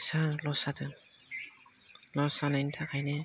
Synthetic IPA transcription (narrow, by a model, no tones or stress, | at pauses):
salɔsatʰɯn | lɔsanajntʰakʰajnɛ